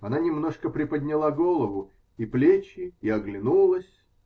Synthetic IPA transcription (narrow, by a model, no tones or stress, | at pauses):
ɐnanʲɪmno̞ʂkəpɾʲɪpəd̪ʲnʲɪlˠaɡolˠəvʊ | iplʲet͡ɕɪːɐɡlʲɪnulˠəsʲ